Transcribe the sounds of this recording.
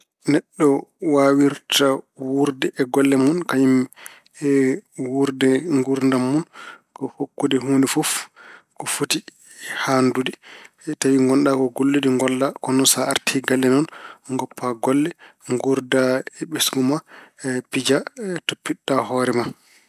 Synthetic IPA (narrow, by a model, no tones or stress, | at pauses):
nɛɗːɔwawiɾtawuɾdɛʔɛɡɔlːɛmunkaɲim | ɛwuɾdɛŋɡuɾndamːunkɔhokːudɛɦuːndɛfuf | kɔfuti | handudɛ | tawiŋɡɔnɗakɔɡolːudiŋɡɔlːakɔnɔnsaaɾtʰiɡalːɛnɔnŋɡɔpːaɡɔlːɛ | ŋɡuɾdaɛɓesɡumapid͡ʒatopːiɗːahɔːɾɛma